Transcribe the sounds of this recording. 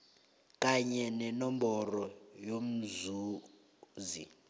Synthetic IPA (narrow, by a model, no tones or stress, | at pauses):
k̬ʼaɲɛnɛnɔmbɔrɔjom̩zuː | zḭ